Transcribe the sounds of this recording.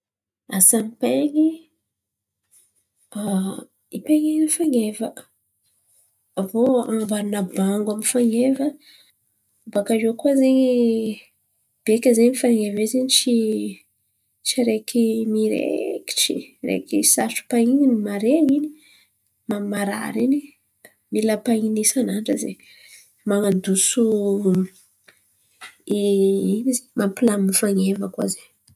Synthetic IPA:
asanipeŋi | a | ipeŋinifaŋɡevə | voambaɾunəbaŋɡwamifaŋevə | bakaʒekuazeɲi | b̥ekʲəzeɲmifaŋevezeɲit͡ʃi | t͡ʃiɾekimiɾḛki̥ʈ͡ʂḭrḛkisaʈ͡ʂu̥paininimaɾeaŋini̥ | mamaɾa̰ɾini | milapainisanaɳɖ͡ʐəzḛ | maŋand̪usu | iinizemampilamːifaŋevəkwa̰zeɲ

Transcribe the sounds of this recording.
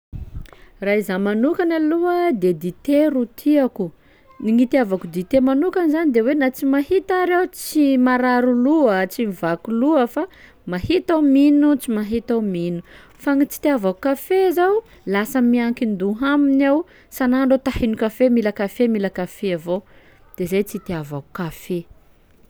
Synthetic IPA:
raizamanukanaluəd̪ed̪it̪eɾut̪ʰiaku | niŋit̪iavakud̪it̪emanukanizanid̪ewenat͡simaɦit̪aɾewt͡simaɾaɾuluət͡simivakuluəfa | mahit̪aminut͡simaɦit̪aminu | faŋit͡si̥t̪eavakukafezaw | lasəmiaŋkind̪uɦaminaw | sanaɳɖ͡ʐat̪ahinukafemilakafemilakafeavo | d̪̥ezajt͡sit̪eavaku̥kafe

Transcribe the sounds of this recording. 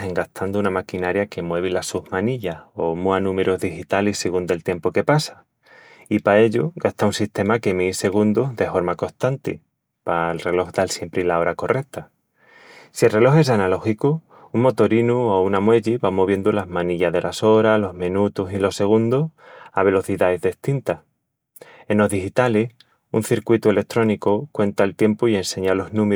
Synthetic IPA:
e̞ŋɡaht̪ʰand̪uunamakinaɾjake̞mwe̞β̞ilasuhmãniʎao̞muanũme̞ɾuzðixit̪alisseɣund̪e̞lt̪je̞mpoke̞pasḁ | ipae̞ʎuɡast̪aunsiht̪e̞make̞mise̞ɣ̞und̪uzðe̞fo̞ɾmako̞st̪ant̪ḭ | paelre̞lo̞xd̪alsje̞mpɾilao̞ɾako̞rʔe̞k̚t̪a | sie̞lre̞lo̞xe̞sanalo̞xiku | uŋmo̞t̪o̞ɾinuo̞unamwe̞ʎiβamo̞β̞je̞nd̪ulazmãniʎaðe̞lʔaso̞ɾalo̞zmẽnut̪usilo̞se̞ɣ̞und̪osaβe̞lo̞θiðaezðest̪int̪a | e̞nlo̞zðixit̪ales | unθiɾkwit̪ue̞le̞k̚t̪ɾo̞nikokwe̞nt̪aelt̪je̞mpoie̞nse̞ɲalo̞znũm

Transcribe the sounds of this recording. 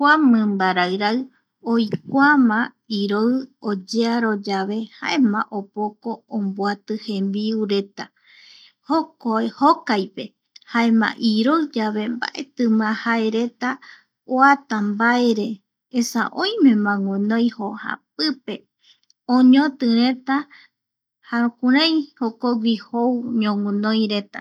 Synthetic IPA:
hamɨ̃mbaɾaɨɾaɨ | ojk̚ʷamã | iɾoɨod͡ʒeaɾo̞d͡ʒaβe̞ha̰e̞mãʔopokoːmboat̪ɨhẽ̞mbiuɾe̞t̪a | hokoehokajpe̞ | haemã̰ʔiɾoɨd͡ʒaβe̞mba̰ʔe̞t̪ɨmãhae̞ɾe̞t̪a | oat̪ambaeɾe̞ː | sa̰ʔõj̃mẽ̞mãŋũnõj̃hoha̰p̚ɨpe̞ | õɲõt̪ɨɾẽt̪a | haɾũkuɾãj̃hokoɡʷihowɲõŋũnõjɾet̪a̰

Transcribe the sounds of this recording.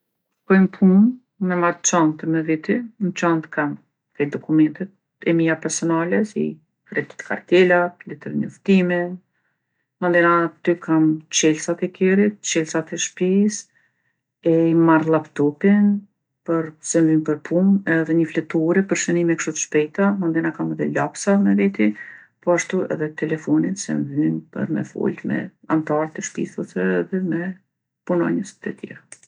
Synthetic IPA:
ɾkɔjmpʰum | mɛmaɾt͡ʃɔnt̪mɛvit̪int͡ʃɔnt̪kam | kɛd̪ɔkumɛnt̪ɛt̪̚ | ɛmijapɛɾsɔnalɛsḭ | kɾɛd̪i̥t̪kʰa̰ɾt̪ɛlat̪lɛt̪əɾɲɔft̪imin | mɔnd̪ɛnat̪ykʰamt͡ʃɛlsat̪ɛkʰɛɾit̪̚t͡ʃɛlsat̪ɛʃpis | ɛimarlˠapt̪ɔpin | pəɾsɛmvympəɾpʰumɛðɛɲəflɛt̪uɾɛpəɾʃənimɛkʃɔt̪ə̥ʃpɛjt̪amand̪ɛnakamɛðɛlapsamɛvit̪i | pɔaʃt̪uɛ̰ðɛt̪ɛlɛfɔninsɛ̰nvympə̰ɾmɛ̰fɔ̰lt̪mɛ̰a̰nt̪aɾt̪ɛʃpḭθusɛɛðɛmɛ | punɔ̰ɲəst̪ət̪jɛ̰ɾa

